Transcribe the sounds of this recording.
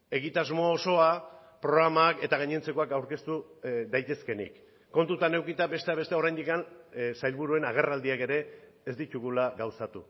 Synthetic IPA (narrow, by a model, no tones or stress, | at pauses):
e̞ɣit̪azmo̞ːso̞a | pɾo̞ɣɾamaːke̞t̪aɣ̞aɲent͡se̞ko̞akawɾke̞st̪uðajt̪e̞ske̞nḭkː | o̞nt̪ut̪ane̞wkit̪abe̞st̪eaβe̞st̪eoɾajnd̪ikansajlβuɾue̞naɣ̞e̞rald̪iake̞ɾe̞ː | zd̪it̪uɣulaɣawsat̪u